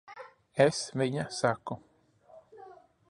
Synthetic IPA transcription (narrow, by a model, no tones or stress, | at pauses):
esviɲasaku